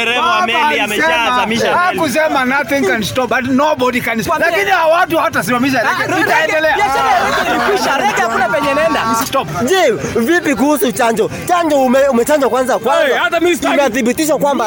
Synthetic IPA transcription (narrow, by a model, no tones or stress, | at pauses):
ɛamsɛaamiʃakus̬ɛmanaθĩŋkanstɔpatnobɔdikansalakinihawat̬uhat̬as̬iwamiʃ̬aɾitaɛdɛlɛasɛɾiaiknikwiʃaɾɛkɛakunapɛɲɛnɛndatɔpd͡ʒɛvipik̬uhusut͡ʃaɲd͡ʒɔ | t͡ʃaɲd͡ʒɔmɛumɛt͡ʃaɲd͡ʒakwanzakwazataimaθibitiʃ̬akwamba